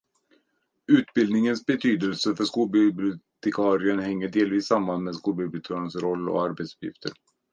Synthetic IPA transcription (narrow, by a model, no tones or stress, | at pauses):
ʉ̟ːt̪bɪld̪nɪŋənsbɛt̪ʰyːd̪əlsəfœʂkuːlbɪbɪʊt̪ʰɛkʰɑːɾɪənhɛŋːəɖeːlviːsːamːanmeːskuːlbɪblʊt̪ʰɑːɾɪənsɾɔlːɔ̰aɾbeɛt̪sɵ̥pjɪ̰ft̪ʰəɾ